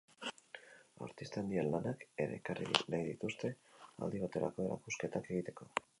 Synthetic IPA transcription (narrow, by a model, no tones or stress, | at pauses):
a̰ɾt̪ist̪and̪ielːanake̞ɾe̞̰ːkarinajðit̪ust̪e̞a̰ld̪iβat̪e̞ɾa̰ko̞eɾa̰kuske̞t̪ake̞ɣit̪e̞ko̞